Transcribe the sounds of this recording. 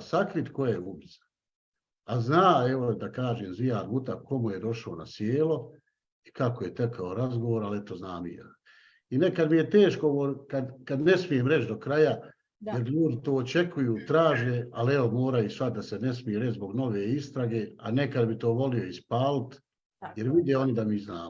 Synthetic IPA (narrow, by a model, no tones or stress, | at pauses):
sakɾit̪ko̞jaejeubisḁ | aznaːeʋo̞d̪akaːʒeːmzijaːɾmut̪ako̞muje̞d̪o̞ʃaona̰sjeːlo̞ | ikakoje̞t̪ekʰaoɾazɡo̞ʋoːɾale̞t̪o̞znaːmḭḛ | inekad̪mije̞t̪eːʃɡkooʋoːkad̪kad̪ne̞smije̞mɾe̞t͡ʃd̪o̞kɾaja | jjeɾʎuːd̪it̪oːot͡ʃe̞kʰujuːt̪ɾaːʒeːaleʋomoːɾajisʋat̪̚d̪asene̞smijeɾet͡ʃzbo̞ɡno̞ʋeːist̪ɾaɡe̞ːanekad̪bit̪o̞ːʋo̞lijo̞ispaːlit̪ | jeɾʋid̪eo̞nid̪amiːznaːmo